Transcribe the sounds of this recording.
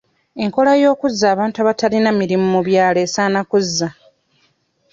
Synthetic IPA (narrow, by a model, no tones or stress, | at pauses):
e̞ŋko̞lajo̞ːkuzːaːβaːntuaβatalinamiɾimumuβjaːle̞ːsaːnakuzːa